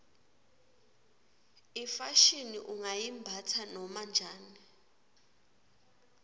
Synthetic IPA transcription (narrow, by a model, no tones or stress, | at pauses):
ifaʃiniʔuŋajimbʱatʰanɔmand͡ʒʱaːni